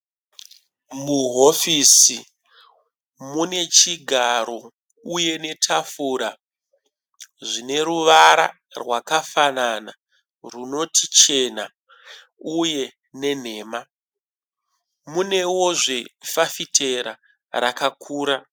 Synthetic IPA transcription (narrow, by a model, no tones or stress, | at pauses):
muɦo̞fisi | mune̞t͡ʃiɡʱaɾo̞ | uje̞ne̞tʰafuːɾa | ʐine̞ɾuʋaɾa̰ | rwakafanana | runo̞tʰit͡ʃe̞na̰ | uje̞ | ne̞n̤e̞ːma | mune̞wo̞ʐe̞fafitʰe̞ɾa̰ | ɾakakʰuːɾa